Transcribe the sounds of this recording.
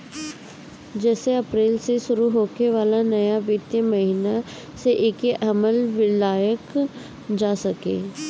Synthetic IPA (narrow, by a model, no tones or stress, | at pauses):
d͡ʒɛːseɐpɾeːlseʃʊɾuɦoːkeʋaːlanɐjaʋjət̪jəməɦina | seʔeːkeʔɐməlʋɪlaːjək | d͡ʒaːsəkḛː